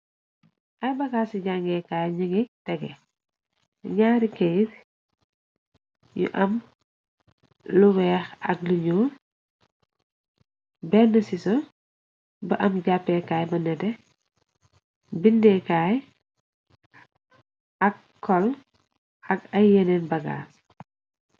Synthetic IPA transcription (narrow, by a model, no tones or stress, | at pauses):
ʔɐjbɐkaːsiɟaŋɡɛkaːjɲuŋitɛɡɛ | ɲaːɾikɛjt | jṵʔɐm | luwɛːxɐ̰k̚liɲuː | bɛnɐsisɔ | bɐʔɐmɟapːɛkaːjbɐnɛdɛ | bindɛkaːj | ʔɐkː | ɔl | ɐkɐjjɛnɛnbɐɡa̰ːs